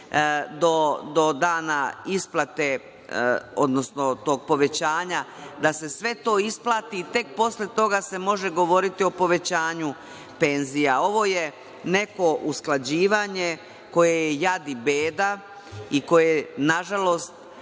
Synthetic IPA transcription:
d̪od̪o̞d̪aːnaisplˠat̪e̞ | o̞d̪no̞sno̞t̪o̞ːɡ̚po̞ʋe̞t͡ɕaːɲa | d̪ase̞sʋe̞t̪o̞ːisplˠat̪iːt̪e̞k̚po̞slet̪o̞ɡase̞mo̞ʒe̞ɡo̞ʋo̞ɾit̪io̞po̞ʋe̞t͡ɕaːɲu | pe̞nzijao̞ʋo̞je | ne̞ko̞ʔusklad͡ʑiːʋaɲe̞ | ko̞je̞jejad̪ibeːd̪a | iko̞jenaʒalo̞st̪

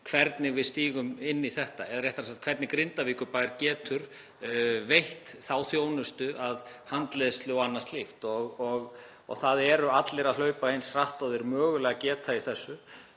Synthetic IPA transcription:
kʰvɛɾt̪nɪvɪðst̪iːɣʏmɪnːiθɛht̪aɛðaɾrjɛht̪aasat̪kʰvɛɾt̪nɪkɾɪnt̪aviːkʏpajɾcɛːt̪ʰʏɾ̥ | vejht̪θawθjoːwnʏst̪ʏʔaðhant̪lɛðʏst̪lowanːast̪lɪxt̪ɔɣɔɣ | ɔ̰ɣθaðɛɾʏat̪lɪɾaðlœːɥpahejnsraht̪ɔðɪɾmœːɣʏlɛːɣacɛːt̪ʰaiθɛsːʏ

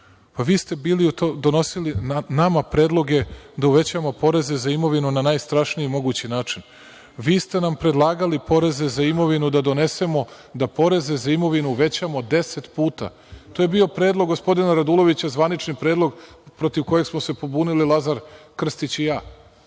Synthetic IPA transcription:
paʋiːst̪e̞biːliut̪od̪o̞no̞silinamapɾed̪lˠo̞ɡe̞d̪auʋe̞t͡ɕamo̞po̞ɾe̞ze̞zaimo̞ʋinunanaːjst̪ɾaʃniimo̞ɡut͡ɕinaːt͡ʂin | ʋiːst̪e̞nampɾed̪lˠaːɡalipo̞ɾe̞ze̞zaimo̞ʋinud̪ad̪o̞ne̞se̞mo̞ | d̪apo̞ɾe̞ze̞zaimo̞ʋinuuʋe̞t͡ɕamo̞d̪e̞set̪puːt̪a̰ | t̪oje̞bio̞pɾe̞ːd̪lˠo̞ɡːospo̞d̪inaɾad̪ulˠo̞ʋit͡ɕazʋanit͡ʃnipɾe̞ːd̪lˠo̞ɡpɾo̞t̪iʋko̞je̞ɡsmose̞po̞bunililˠazaɾkr̩st̪it͡ɕijaː

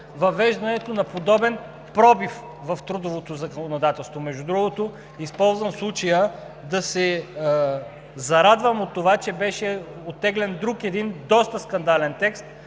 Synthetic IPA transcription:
vɐvɛʒd̪ɐnɛt̪onɐpod̪ɔbɛn | pɾɔbif | vɐft̪ɾud̪ovot̪ozɐkonod̪at̪ɛlˠst̪vomɛʒd̪ud̪ɾuɡot̪o | ispɔlˠzvɐnslˠut͡ʃəjə | d̪ɐsɛ | zɐɾad̪vəmot̪ːovat͡ʃɛbɛʃɛ | ot̪ːɛɡlɛnd̪ɾukɛd̪ind̪ɔst̪əskɐnd̪alɛnt̪ɛkst̪

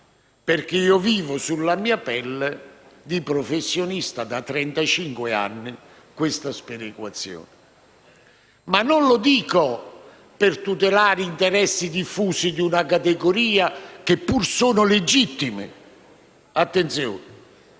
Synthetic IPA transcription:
perk̟eiːɔviːvʊsulːamiːapɛlːed̪ipɾɔfesːjonist̪ad̪at̪ːɾɛnt̪at͡ʃiŋkwɪa̰nːi | kwɪst̪aspeɾikwat̪sːjɔ̰ːnɪ | manːonlʊd̪iːko | pɪrt̪ut̪ɛlaːɾint̪ɛɾɛsːid̪ifːuːsid̪iunakat̪eɡoɾiːak̟ɪpːursuːnʊled͡ʒit̪ːimɪ̰ | at̪ːent̪sjɔ̰ːnɪ

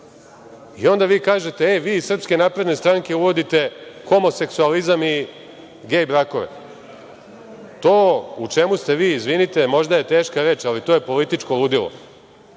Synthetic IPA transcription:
io̞nd̪aʋiːkaːʒe̞t̪e̞eʋiːisr̩pske̞naːpɾed̪ne̞st̪ɾaːŋke̞uʋo̞d̪it̪e̞xo̞mo̞se̞ksualizami | ɡeːjbɾako̞ʋḛ | t̪o̞ːut͡ʃe̞must̪e̞ʋiːzʋinit̪e̞mo̞ʒd̪aje̞t̪e̞ːʃkaɾe̞ːt͡ʃalit̪oje̞po̞lit̪it͡ʃkolud̪ilo̰

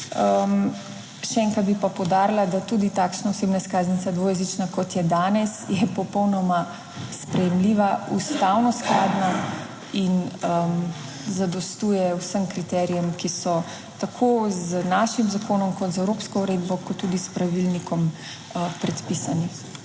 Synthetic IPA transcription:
əm | ʃɛɛŋkɾad̪bipapɔwd̪aːɾilad̪at̪uːd̪it̪akʃnaoseːbnaskaːznit̪sad̪ʋoːjɛzit͡ʃnakɔt̪jɛd̪aːnɛsjɛpɔpɔwnɔma | spɾɛjɛmliːʋaust̪awnɔsklaːd̪na | inəm | zad̪ɔst̪uːjɛwsəmkɾit̪ɛːɾijɛmkisɔ | t̪akʰoznaʃimzakoːnɔmkɔt̪zaɛwɾoːpskɔuɾeːd̪bɔkɔt̪ːud̪ispɾaʋilnikɔm | əpɾɛt̪pisani

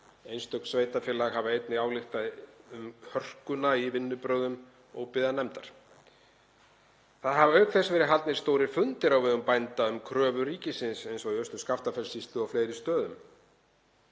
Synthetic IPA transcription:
ejnst̪œknsvejt̪afjɪlaɣɦavaejt̪nɪaːwlɪxt̪aðʏmhœr̥kʏnaivɪnːʏpɾœːwðʏm | ɔɣpɪðanɛmt̪aɾ̥ | θaðɦavœːɥkθɛsvɛːɾɪɦalt̪nɪɾ̥st̪oːwɾɪfʏnt̪ɪɾawvɛðʏmpajnt̪aʏmkʰɾœːvʏɾiːcɪsɪnsejnsɔiœst̪ʏskaft̪afɛlsist̪ʏɔwfleːjɾɪst̪œːðʏm

